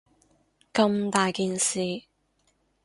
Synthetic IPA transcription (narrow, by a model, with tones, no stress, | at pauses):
kɐ˧mt̪aː˨jkiː˨nsiː˨